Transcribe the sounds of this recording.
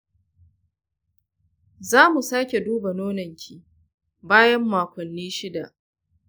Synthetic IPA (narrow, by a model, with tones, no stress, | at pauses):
zaː˦mu˨saː˦kʲe˨duː˦ba˨noː˦nɐ˨ŋkʲʰi˨ | baː˦jɐ˦mːaː˨kʷɔ˨nːiː˦ʃɪ˦da˨ʔ